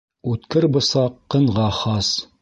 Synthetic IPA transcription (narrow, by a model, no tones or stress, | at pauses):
ʉt̪kɘɾbɤ̆sɑqːɤ̆ɴʁɑχɑs